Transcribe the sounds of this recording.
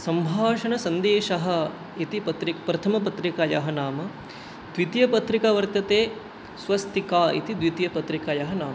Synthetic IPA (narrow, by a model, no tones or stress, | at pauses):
sɐmbʱaːʂɐɳɐsɐnd̪eːʃɐɦɐ̆ | it̪ipɐt̪ɾikpɾɐt̪ʰɐmɐpɐt̪ɾikajɐ̰ɦɐnaːmɐ | d̪̥ʋit̪jɐpɐt̪ɾikaʋɐɾt̪ɐt̪eː | sʋɐst̪ikaːḭt̪id̪ʋit̪jɐpɐt̪ɾikajɐɦɐnaːmɐ